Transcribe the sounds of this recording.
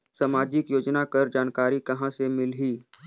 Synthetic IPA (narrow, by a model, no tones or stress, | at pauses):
səmaːd͡ʒɪkjoːd͡ʒnakɐɾd͡ʒaːnkaːɾikɐɦãsemɪlɦiː